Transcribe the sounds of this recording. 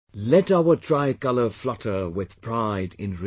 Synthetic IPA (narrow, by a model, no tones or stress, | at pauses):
lɛɾaʊə˞dɹaɪkʌlˠə˞flʌɾʰə˞wɪð̥pʰɹ̥aɪdɪ̰̃nɹ